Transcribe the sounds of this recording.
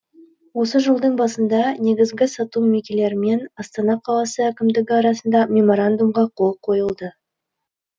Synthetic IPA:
wo̞səʒəlˠd̪əɴbɑsənd̪ɑne̞ɡʲɪzɡʲɪsɑt̪umːekʲele̞ɾɪme̞nɑst̪ɑnɑqʰɑlˠɑsəækʲɪmd̪ɪɡʲɪɑɾɑsənd̪ɑmʲe̞mo̞ɾand̪umʁɑqʰo̞lˠqʰo̞jəlˠd̪ə

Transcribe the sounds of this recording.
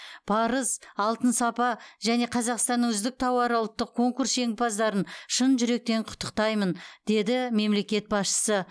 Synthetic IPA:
b̥ɑɾəsɑlˠt̪ənsɑpɑʒæne̞qʰɑzɑqst̪ɑnːəŋʏzd̪ɪk̚t̪ʰɑwɑɾəwlˠt̪ːəq̚kʰo̞ŋkuɾse̞ŋpɑzd̪ɑɾənʃənʒʏɾe̞k̚t̪e̞ɴqʰʊ̥t̪ʰːə̥qt̪ɑjmənd̪̥e̞d̪ɪme̞mle̞kʲe̞t̪̚bɑsʃə̥sə

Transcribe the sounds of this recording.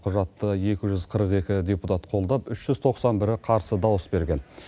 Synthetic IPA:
qʰʊʒɑt̪ːəje̞kʲɪʒʏzqʰəɾəqe̞kʲɪdʲe̞put̪at̪qʰo̞lˠd̪ɑpʏʃʒ̥ʏzt̪ʰo̞qsɑnbɪɾɪqʰɑɾsəd̪ɑwəsbe̞ɾɡʲe̞n

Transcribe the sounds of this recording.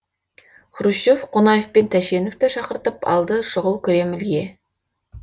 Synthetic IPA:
χʊɾuʃofqʰonɑjefpe̞nt̪ʰæʃe̞noft̪əʃɑqəɾt̪əpɑ̰lˠd̪əʃʊʁəlˠkʲʰɵɾe̞mɪlɡʲe̞

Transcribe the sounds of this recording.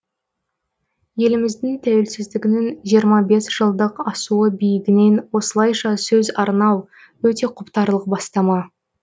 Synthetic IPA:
je̞lɪmɪzd̪ɪŋt̪ʰæwelsɪzd̪ɪɡʲɪnɪŋʒijəɾmɑbe̞sʒ̥əlˠd̪əqɑsuəbijɪɡʲɪne̞nwo̞səlˠɑjʃɑsɵzɑɾnɑw | wɵt̪e̞qʰʊpt̪ɑɾlˠəq̚bɑst̪ɑmɑ

